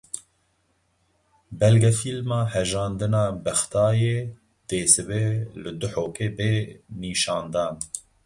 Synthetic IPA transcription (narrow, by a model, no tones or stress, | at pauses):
bɛlɡɛfilmɑːhɛʒɑːnd̪ɨnɑːbɛxt̪ɑːjeː | d̪̥eːsɨbeːlɨd̪ʊħoːkeːbeːniːʃɑːnd̪ɑːn